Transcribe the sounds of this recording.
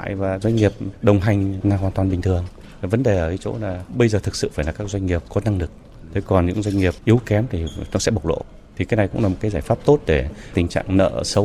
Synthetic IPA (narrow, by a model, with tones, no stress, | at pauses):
a̰ː˧˨jvaː˨˩zwa˧ŋ̟ŋi˨˩əp̚ɗə˨˩wŋ͡mɦa˨˩jŋ̟naː˧ŋkwaː˧˩t̪wːnɓï˨˩ŋ̟t̪ʰɨ˨˩əŋ˨ | və˨˦nɗe˨˩ʔəː˧˩vi˨˦t͡ɕo̰˧˥laː˨˩ɓə˧jzəː˨˩t̪ʰɨ˨˩k̚sɨ̰˧˨faː˧˩laː˨˩kaː˦˥k̚zwa˧jŋ̟ŋi˨˩əp̚kɔ˨˦na˧ŋlɨ˨˩k̚ | t̪ʰe˨˦kɔ˨˩nɲɨ̰˧˥ŋzwa˧jŋ̟ŋi˨˩əp̚ʔi˨˦wkɛ˨˦mt̪ʰi˨˩nɔ˨˦sɛ̰˧˥ɓə˨˩k͡p̚lo̰˧˨ | t̪ʰi˨kaː˨˦jna˨˩jkʊ̰˧˥ŋ͡mlaː˨˩m˨˩tkaː˨˦jzaː˧˩jfaː˦˥p̚t̪o˦˥t̚ɗe˧˩t̪ï˨˩ŋ̟t͡ɕa̰ː˧˨ŋnə̰ː˧˨sə˨˦w